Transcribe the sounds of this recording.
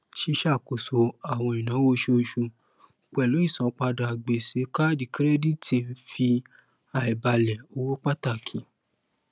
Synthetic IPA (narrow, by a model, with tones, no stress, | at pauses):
ʃi˧ʃa˦˨ko˨so˧a˨w̃ɔ̃˧i˨nã˨˦wo˧˦ʃo˧ʃu˧˨ | k͡pɛ˨lo˨˦i˦˨sã˨˧k͡pa˧da˨ɡ͡be˨se˨˦ka˦di˨kɾɛ˦di˦ti˧n̩˦fi˧ | a˨i˨ba˧lɛ˨o˧wo˦k͡pa˦ta˦˨kʰĩ˨˦